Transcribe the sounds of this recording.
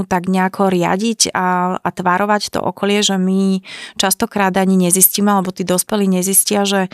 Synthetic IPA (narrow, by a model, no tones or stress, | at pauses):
ut̪aɡɲɛakʰɔɾɪa̰ɟicaat̪ʋaɾɔʋact̪ɔ̰ʔɔ̰kɔlɪɛʒɛmit͡ʃast̪ɔkɾaːd̪aɲiɲɛzisciːmɛalɛbɔt̪iːd̪ɔspɛliːɲɛziscɪaʒɛ